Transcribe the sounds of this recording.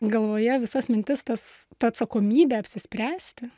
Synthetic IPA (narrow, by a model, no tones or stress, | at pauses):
ɡɐlˠʋoːjɛʋʲɪsɐsmʲɪnʲt̪ʲɪst̪ɐst̪ɐɐt̪sɐkoːmʲiːbʲeɐpʲsʲɪsʲpʲɾʲæːsʲt̪ʲɪ